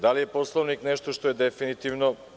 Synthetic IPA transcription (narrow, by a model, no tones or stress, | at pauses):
d̪alije̞po̞slˠoʋniknɛʃt̪oʃt̪o̞jed̪efinit̪iʋno